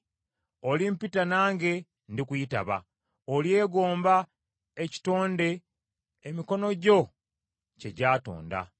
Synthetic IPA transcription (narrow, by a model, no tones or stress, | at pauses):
olimpitanaːŋɡe̞ | ndikujita̰βa̰ | olje̞ːɡoːmba | eci̥to̞ːnde̞ː | miko̞no̞ɟo̞ | ce̞ɟaːto̰ːnda̰